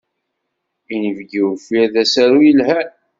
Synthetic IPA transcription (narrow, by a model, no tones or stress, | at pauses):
inəvɡiwfiðæsæɾujəlhæ